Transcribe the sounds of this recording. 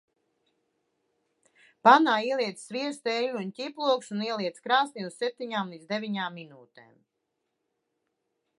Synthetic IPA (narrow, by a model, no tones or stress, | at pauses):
panaːiɛlˠiɛt̪ssviɛst̪ɛʎʲuncʲiplˠuɔksuniɛliɛt̪skɾaːst̪ʲiussep̚t̪ʲiɲaːmlˠit̪d̪d̪evʲiɲaːmːinuːt̪ḛːm